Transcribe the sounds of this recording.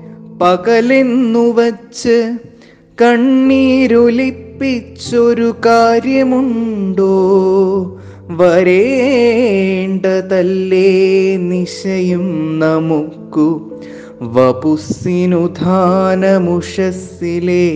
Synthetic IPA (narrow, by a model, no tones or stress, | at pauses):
pɐkɐlenːuʋɐt͡ʃːɨ | kɐɳːiːɾolipːit͡ʃːoɾukaːɾjɐmuɳɖoː | ʋɐɾeː | ɳɖɐt̪ɐlːeniʂɐjumnɐmukːu | ʋɐpusinud̪ʱaːnɐmuʂɐs | ile